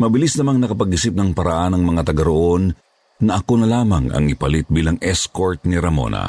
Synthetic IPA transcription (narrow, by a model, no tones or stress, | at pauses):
mɐbɪlisnɐmɐŋnɐkɐpɐɡɪsip̚nɐŋpɐɾɐʔanɐŋmɐŋat̪ɐɡɐɾoʔo̞nː | ɐʔɐkonɐlaːmɐŋɐ̰ŋɪpɐlit̪̚biːlɐŋɛskoɹt̪̚niɾɐmo̰nɐ̰